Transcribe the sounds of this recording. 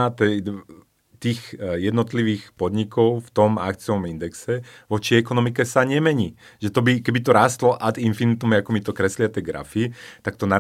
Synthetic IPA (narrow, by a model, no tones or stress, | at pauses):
at̪ɛ | t̪iːxjɛd̪nɔt̪liʋiːxpɔd̪ɲikɔʊft̪ɔma̰kt͡siɔmind̪ɛksɛʋɔt͡ʃiɛkɔnɔmikɛsaɲɛmɛɲiː | ʒ̥ɛt̪ɔbikɛbit̪ɔɾaːst̪lɔʔad̪infinit̪umɛakɔmit̪ɔkɾɛslɪat̪ɛɡɾa̰fit̪ak̚t̪ɔna